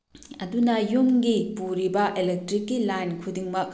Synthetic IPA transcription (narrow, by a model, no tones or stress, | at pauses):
ɐdunɐjumɡipuɾibɐʔelek̚tɾikːilajnkʰudiŋmɐk̚